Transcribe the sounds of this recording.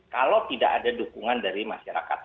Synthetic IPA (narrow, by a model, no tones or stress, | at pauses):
kalot̪idaʔadadukuŋandaɾimaʃaɾa̰ka̰t̪̚